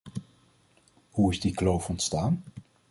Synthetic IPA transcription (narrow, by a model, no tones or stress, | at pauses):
huɪzdiklowfɔntstaːn